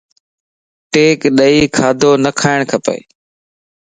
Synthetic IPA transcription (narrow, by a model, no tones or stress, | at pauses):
ʈeːkɗəiːkʰaːd̪ʱoːnəkʰaːɪɽ̃kʰəpḛː